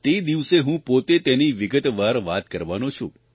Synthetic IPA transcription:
t̪ed̪iʋseɦũpot̪et̪eniʋɪɡət̪ʋaɾʋat̪kəɾʋanõt͡ʃʰṵ̃

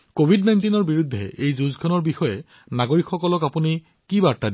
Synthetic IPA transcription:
kobʱidnajntinɔɹbiɹudʱːɛ̰ʔejzuzkʰɔnɔɹbixɔjɛ | naɡoɹikxɔkɔlɔkapuni | kibaɹtadi

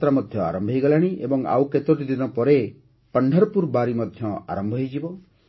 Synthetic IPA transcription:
t̪ɾamɔd̪ʱjɔa̰ɾɔmbʱɦejɡɔlaɽ̃iʔḛbɔŋa̰wket̪ɔʈid̪inɔpɔɾe | pəɳɖʱɔɾɔpuɾbaɾimɔd̪ʱjɔa̰ɾɔmbʱɔɦjd͡ʒibɔ

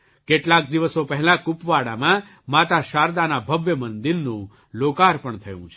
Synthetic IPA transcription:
keʈlak̚d̪iʋəsopəɦlãkupʋaɽa̰mã | mat̪aʃaɾd̪anabʱəʋjəmənd̪iɾnũ | lokaɾpəɳt̪ʰəjṵ̃t͡ʃʰe̥

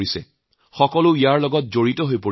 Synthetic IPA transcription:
isɛ | xɔkɔlʊijaɹlɔɡɔt̚zoɹitɔɦojpo

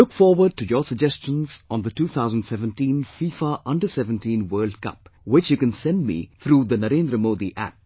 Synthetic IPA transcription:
lʊkfɔːɾwəɖ̚ʈujɔːsəɡ̚d͡ʒɛst͡ʃə̃nz̥̃nd̪əʈuːt̪ʰaʊzə̃ndsɛʋə̃nʈĩːnfiːfaʔʌ̃nɖəsɛʋə̃nʈĩːnwɜːlɖkʌ̰p̚wɪt͡ʃjukɛ̃nsɛ̃nd̚mḭt̪ʰɾuːd̪ənəɾẽːnd̪ɾəmoːd̪iʔæ̰p̚

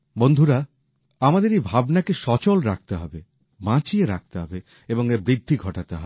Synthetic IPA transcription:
bond̪ʱuɾa | amad̪eɾejbʱabnakeʃɔt͡ɕolɾak̚t̪eɦɔ̰be | bãt͡ɕieɾak̚t̪eɦɔ̰be | eboŋeɾbɾid̪ʱːiɡʱɔʈat̪eɦɔbe

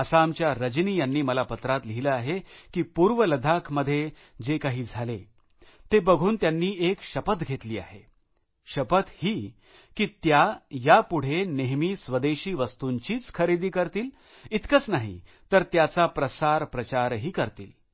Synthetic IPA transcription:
əsamt͡ɕjaɾəd͡ʑniːjanːiːməlapət̪ɾat̪liɦiləaɦekiːpuːɾʋələd̪ʱakʰməd̪ʱːje | d͡zekaɦiːd͡zʱale | t̪ebəɡʱuːnt̪janːiːʔekɕəpət̪ɡʱet̪liːa̰ɦe | ɕəpət̪hiː | kiːt̪jajapuɽ̤eneɦmiːsʋəd̪eɕiːʋəst̪uɲt͡ɕiːt͡skʰəɾid̪iːkəɾt̪iːl | it̪kət͡snaɦḭ | t̪əɾt̪jat͡sapɾəsaɾpɾət͡ɕaɾɦiːkəɾt̪ḭːl

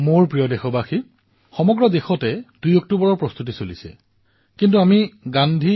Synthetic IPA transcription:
moɹpɹijɔdexɔbaxi | xɔmɔɡɹɔdexɔtɛdujɔk̚tubɔɹɔɹpɹɔst̪utisolisɛ̰ | kint̬uamiɡandʱi

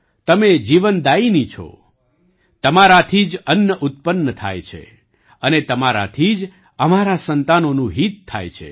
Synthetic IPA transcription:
t̪əmed͡ʒiʋənd̪ainit͡ʃʰɔ̰ | t̪əmaɾat̪ʰid͡ʒənjəʔut̪̚pənːət̪ʰa̰jt͡ʃʰḛ | ənet̪əmaɾa̰t̪ʰid͡ʒ | əmaɾasənt̪anonũɦit̪ʰːa̰jt͡ʃʰḛ

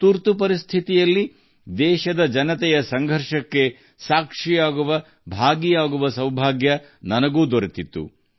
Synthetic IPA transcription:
t̪uɾt̪upɐɾist̪ʰit̪ijɐlːi | d̪ɛːʃɐd̪ɐd͡ʒɐnɐt̪ɛjɐsɐŋɡʱɐɾʂɐkːe̞ | saːkʂijaːɡuʋɐ | bʱaːɡijaːɡuʋɐsɐwbʱaːɡjɐ | nɐnɐɡuːd̪oɾet̪it̪ːṵ

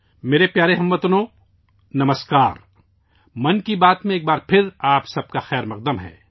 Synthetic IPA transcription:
meːɾepjaːɾeɦɐmːɐt̪ʊnõː | nɐməskaːɾ | mɐnkibaːt̪mẽeːk̚baːɾpʰɪɾaːpsɐb̚kaxɛːɾmɐq̚d̪əmɦɛ̰ː

